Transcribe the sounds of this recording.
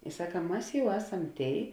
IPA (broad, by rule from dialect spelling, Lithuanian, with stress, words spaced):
ɪ ˈsɑːkɐ ˈmɐs ˈjɛʊ ˈæːˌsɐm ˈtʲeːɪ